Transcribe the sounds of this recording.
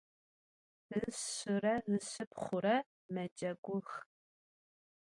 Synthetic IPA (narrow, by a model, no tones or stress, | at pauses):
zɨɕʊrɐzɨɕɨpχʷʊɾɐ | mɐd͡ʒʼɐɡʷʊx